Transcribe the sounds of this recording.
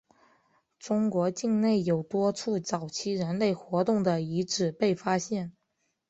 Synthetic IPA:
ʈ͡ʂʊ˥ŋkwɔ˧˥t͡ɕi˥˧ŋne˥˩ɪjo˨˩ʊt̪wɔ˥ʈ͡ʂʰu˥˩t͡sɑ˨˩ʊt͡ɕʰi˥ɻə˧˥nle˥˩ɪxwɔ˧˥t̪ʊ˥˩ŋd̪ə˩i˧˥ʈ͡ʂɻ̩˨˩pe˥˩ɪfa˥ɕjɛ˥˩n

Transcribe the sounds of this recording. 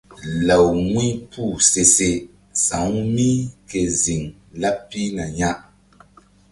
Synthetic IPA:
la˨wŋwĩ˦pʰu˦˨se˨se˨ | sã̰˨˦ŋ˦mĩ˦ke˨zi˨ŋ | la˦pːi˦na˨ɲã˦ʔ

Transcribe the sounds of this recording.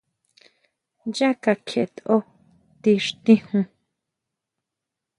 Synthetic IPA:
ja˦ka˧kʰe˨ʔe˨t̪o˦ | t̪i˧ʂt̪ĩ˦hũ˧

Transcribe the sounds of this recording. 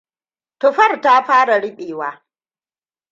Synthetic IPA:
tʊ˨ɸɐ˦˨rta˦ɸaː˦ɽa˨ɽɪ˦ɓeː˨waː˦

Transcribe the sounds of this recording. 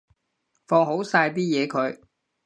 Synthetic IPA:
fɔː˧ŋɦo˨˥wsaː˧jp̬iː˥jɛː˨˧kʰɵ˨˧ɥ

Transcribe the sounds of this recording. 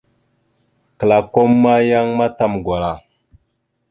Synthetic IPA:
kə˨la˨ko˦mːa˦ja˦ŋma˦ta˦mɡʷa˨la˨

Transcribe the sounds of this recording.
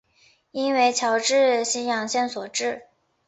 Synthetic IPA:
i˥nwe˥˧ɪt͡ɕʰjɑ˧˥ʊʈ͡ʂɻ̩˥˩ɕi˧˥njɑ˨˩ŋɕjɛ˥˩nswɔ˨˩ʈ͡ʂɻ̩˥˩

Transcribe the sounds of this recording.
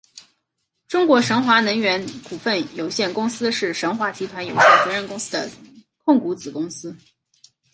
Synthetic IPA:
ʈ͡ʂʊ˥ŋkwɔ˧˥ʂɤ˧˥ŋxwa˧˥nɤ˧˥ŋɥɛ˧˥nku˨˩fə˥˩njo˨˩ʊɕjɛ˥˩nkʊ˥ŋsɹ̩˥ʂɻ̩˥˩ʂɤ˧˥ŋxwa˧˥t͡ɕʰi˧˥t̪ʰwa˧˥njo˨˩ʊɕjɛ˥˩nt͡sɤ˧˥ɻə˥˩nkʊ˥ŋsɹ̩˥d̪ə̰˨ | kʰʊ˥˩ŋku˧˥t͡sɹ̩˨˩kʊ˥ŋsɹ̩˥

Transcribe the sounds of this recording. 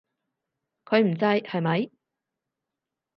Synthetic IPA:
kʰɵ˨˧ɥm̩˨˩t͡sɐ˧jhɐ˨˧jmɐ˨˧j

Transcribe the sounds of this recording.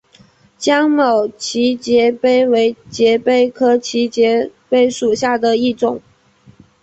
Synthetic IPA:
t͡ɕjɑ˥ŋmo˨˩ʊt͡ɕʰi˧˥t͡ɕjɛ˧˥pe˥ɪwe˧˥ɪt͡ɕjɛ˧˥pe˥ɪkʰɤ˥t͡ɕʰi˧˥t͡ɕjɛ˧˥pe˥ɪʂu˨˩ɕja˥˩d̪ə˨i˥˩ʈ͡ʂʊ˨˩˦ŋ

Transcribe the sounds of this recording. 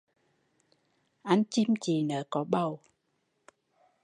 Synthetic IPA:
ʔa˧jŋt͡ɕi˧mt͡ɕi˨˩nəː˨˦kɔ˨˦ɓə˨˩w

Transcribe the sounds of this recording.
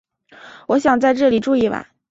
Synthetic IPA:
wɔ˧˥ɕjɑ˨˩ŋt͡sa˥˧ɪʈ͡ʂɤ˥˩li˨˩ʈ͡ʂu˥˧i˥˩wa̰˧˩˦

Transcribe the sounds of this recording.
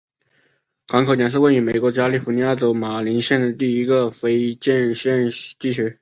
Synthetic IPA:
kɑ˧˥ŋkʰo˧˩t̪jɛ˧˩ns̬̩˥kwa˥˩ny˧˥me˨˩ɪkwɔ˧˥t͡ɕja˥li˥˩fu˧˥ni˧˥ja˥˩ʈ͡ʂo˧˥ʊma˨˩li˧˥nɕjɛ˥˩nd̪ə˩t̪i˥˩i˧˥ɡə˧˨fe˥ɪt͡ɕɛ˥˧nɕɛ˥˩nt͡ɕi˥˩ɕɥɛ˧˥

